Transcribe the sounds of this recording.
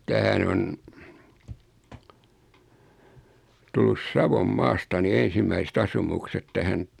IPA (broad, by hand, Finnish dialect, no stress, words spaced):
tæhæn on tulːus sɑʋomːɑːstɑ ni en̞simːæisĕt ɑsumukset tæhæn